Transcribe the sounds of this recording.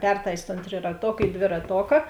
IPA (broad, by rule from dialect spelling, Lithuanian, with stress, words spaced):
ˈpʲɛrtɐɪsʲ toːn tʲrʲɪrɐˈtoːk iː dʲʋʲɪrɐˈtoːkɐ